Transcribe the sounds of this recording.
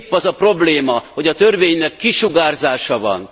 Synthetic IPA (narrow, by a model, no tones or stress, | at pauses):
pːɒzɒpro̞bleːmɒho̞ɟɒt̪ørveːɲnɛkːiʃuɡaːrzaːʃɒvɒ̰n